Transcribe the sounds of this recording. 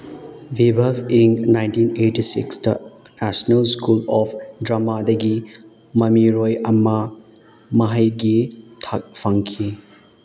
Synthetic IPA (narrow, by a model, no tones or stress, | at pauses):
vibʱɐbiŋnajntinetisḭksdɐ | nasonɐlskulɔpʰdɾamadɐɡi | mɐmiɾojɐmɐ | mɐɦɐjɡitʰak̚fʰɐŋkʰi